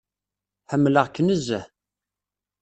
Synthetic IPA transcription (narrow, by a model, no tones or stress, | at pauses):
ħəmːləʁkːənəzːə